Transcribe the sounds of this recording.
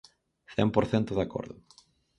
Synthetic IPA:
θɛ̰mpoɾθɛnt̪ʊðako̰ɾðʊ̰

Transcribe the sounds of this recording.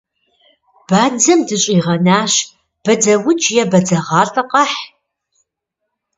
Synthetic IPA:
b̥aːd͡zɐmdɨɕʼiːʁɐnaːɕ | b̥ɐd͡zɐwʊt͡ʃʼjɛbɐd͡zɐʁɑːɬʼɐqɐħ

